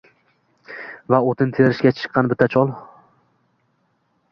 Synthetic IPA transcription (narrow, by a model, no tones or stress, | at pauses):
vaot̪ʰɪnt̪ʰeɾɪʃkʲat͡ʃʰɨ̥qʰːɑnbɪt̪ʰːat͡ʃʰɒlˠ